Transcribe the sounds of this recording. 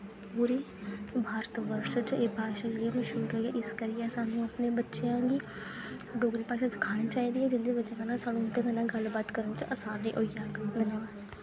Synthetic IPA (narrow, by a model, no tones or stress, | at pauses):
ppuːɾiː | bʱaːɾət̪ʋəɾʃət͡ʃeːpaːʃallːeməʃɦuːɾɦoːiaːʔɪskəɾɪjɛːsaːnũːəpnẽːbətːʃejãːɡiː | ɖoːɡɾiːpaːʃãːsɪ̥kʰaːɽ̃iːt͡ʃaːiːd̪iːaːd͡ʒɪnd̪eːbətːt͡ʃãːkəːnãːsaːnũːnd̪ekənãːɡəlbaːt̪kəɾnːt͡ʃəsaːɾnḭ̃ːʔoːiːaːd̪ənjəʋaːd̪